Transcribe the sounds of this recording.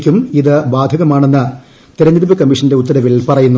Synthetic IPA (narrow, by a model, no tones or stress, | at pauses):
kʲːumiðɨbaːd̪ʱɐɣɐmaːɳe̞nːɨ | t̪iɾɐniɾubɐkɐmːiʂɐnde̞ut̪ːɐɾɐʋiɭpɐrɐjunːu